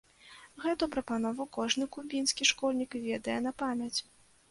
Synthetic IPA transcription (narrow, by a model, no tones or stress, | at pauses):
ɣɛt̪upɾɐpanɔvɐwkɔʐnɨkubʲinskʲiʂkɔlʲnʲikvʲɛd̪ɐjɛnɐpamʲɐt͡sʲ